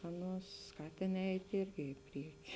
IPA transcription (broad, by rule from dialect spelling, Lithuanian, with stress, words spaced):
ˈɑːˌnuɔs ˈskɑːtʲeːn ˈɛɪtʲ ˈɪrʲɡʲɪ ɪ ˈpʲrʲiɛkʲɪ